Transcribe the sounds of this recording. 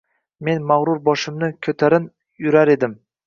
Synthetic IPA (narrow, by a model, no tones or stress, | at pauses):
me̞nmaʁɾʊɾbɒʃɪmnɪkʲʰɵt̪ʰaɾɪn | jʊɾaɾe̞d̪ɪm